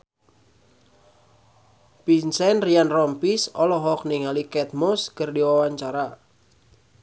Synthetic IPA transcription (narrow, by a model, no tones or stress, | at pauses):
pinsɛnrianrɔmpisɔlɔɦɔk̚niŋalikɛt̪̚mɔskɨrdiwawaɲt͡ʃaɾa